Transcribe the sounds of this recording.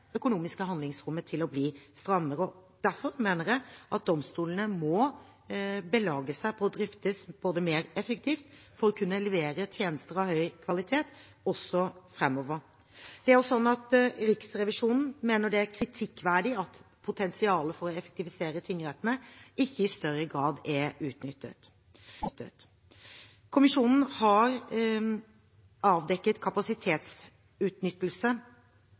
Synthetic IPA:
œkʊnuːmɪskəɦɑnd̪lɪŋsɾʊmːət̪ʰɪlɔbliːst̪ɾɑmːəɾəɔd̪̥æɾfɔɾmeːnəɾjæɪʔɑt̪̚d̪ɔmst̪uːlənəmɔ | bəlɑːɡəsæɪpʰɔːd̪ɾɪft̪əsb̥oːd̪əmeːɾɛfək̚t̪ʰiːft̪ | fɔɾɔkʰʉnːəlɛʋeːɾət̪ʰjeːnəst̪əɾɑʋhœʏkʰʋɑlɪt̪ʰeːt̪ | ɔsːɔfɾɛmːɔːʋəɾ | d̪̥ɛæɾjʊsɔnːɑt̪ɾɪksɾɛʋɪʂuːnn̩meːnəɖɛækʰɾɪt̪ʰɪkːʋæːɖɪɑt̪ | pʰʊt̪ʰɛnsɪɑːləfɔɾɔɛfɛ̥k̚t̪ɪʋɪseːɾət̪ʰɪŋːəɾɛt̪ːənəɪçːəɪst̪œɾːəɡɾɑːd̪ɛʉːt̪nʏt̪ːə̰t̪ | t̪ːət̪ | kʰʊmɪʂuːnn̩hɑɾ | ɑːʋd̪ɛkːət̪kʰɑpɑsɪt̪ʰeːt̪s | ʉːt̪nʏt̪ːəl̩sə

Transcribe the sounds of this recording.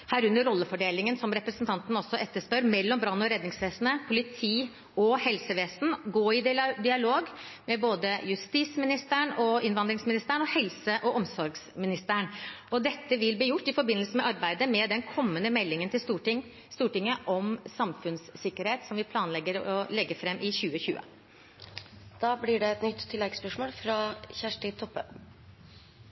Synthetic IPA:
hæːɾʉnd̪əɾɔlːəfɔɖeːlɪŋənsɔmɾɛpɾəsnt̪ʰɑnt̪n̩ɔsːɔʔɛt̪ːəʂpœɾmɛlːɔmbɾɑnːɔɾɛd̪nɪŋsʋeːsn̩əpʰʊlɪt̪ʰiː | ɔhɛlsəʋeːsn̩ɡoːɪd̪ɪɑloːɡmɛboːd̪əjʉst̪iːsmɪnɪst̪əɳɔɪnʋɑnd̪ɾɪŋsmɪnɪst̪əɳɔhɛlsəʔɔʔɔmsɔɾɡsmɪnɪst̪əæɳɔd̪ɛt̪ːəʋɪlbliːjʊʈːɪfɔɾbɪnəlsəmɛʔɑɾbæɪd̪əmɛd̪ɛnkʰɔmːənəmɛlːɪŋənt̪ʰɪlst̪uʈɪ | st̪uːʈɪŋːəʔɔmsɑmfʉnsːɪkːəɾheːt̪sɔmʋɪpʰlɑːnlɛɡːəɾɔlɛɡːəfɾɛmːʔɪçʉːəçʉ̰ːə̰ | d̪̥ɑːblɪɖɛɛt̪nʏt̪ʰːɪlːɛɡspœʂmoːlfɾɑçæʂʈət̪ʰɔpːə̰

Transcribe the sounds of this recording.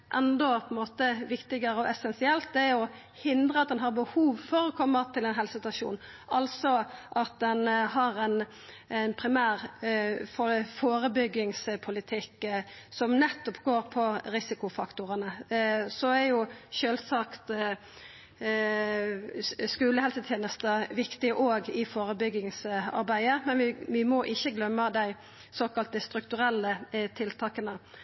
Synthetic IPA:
ʔɛnd̪ɔpʰɔɛnmoːt̪əʋɪkt̪ɪɡəɾəɔʔɛsɛnsɪɛlt̪̚d̪ɛɔ | hɪnd̪ʁəɑt̪̚d̪ɛnɦɑɾbəhuːʋfɔɾɔkʰɔmːət̪ʰɪlɛnɦɛlsɪt̪ɑʂṵːn | ʔɑlsɔʔɑt̪̚d̪ɛnɦɑɾɛn | ɛnpʰɾɪmæːɾffoːɾəbʏɡːɪŋspʰʊlɪt̪ʰɪkːsɔmnɛt̪ːɔpɡoːɾpʰɔʁɪsɪkʊfɑkt̪ʊʁənəsɔæɾjʊʃøːlsɑkt̪ | skʉːləhɛlsət̪ʰjeːnəst̪əʋɪkt̪ɪʔoːɡɪfoːɾəbʏɡɪŋsɑ̰ɾbæɪəmɛnʋɪʋɪmɔʔɪçːəɡlœmːəd̪æɪ | soːkɑlt̪əst̪ɾʉkt̪ʉɾɛlːət̪ʰɪlt̪ʰɑːkənə

